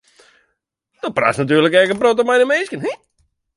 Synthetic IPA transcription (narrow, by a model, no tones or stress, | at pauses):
d̥opra̰snat̬yːrləkɛrkənprotəmɛjnəmeskjənhi